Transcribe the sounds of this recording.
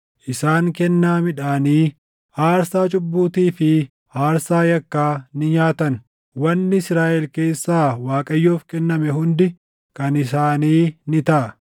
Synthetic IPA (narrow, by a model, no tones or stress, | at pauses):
ʔɪsaːŋkɛnːaːmɪᶑaːniː | aːɾsaːt͡ʃʼʊbːuːt̪iːfɪ | aːɾsaːjɐkːaːnɪɲaːt̪ɐn | wɐnːɪɪsɾaːʔɛlke̞ːsːaːwaːkʼɐjːoːfkɛnːɐmɛɦʊnd̪ɪ | kɐnɪs̬aːniːnɪt̪ɐʔɐ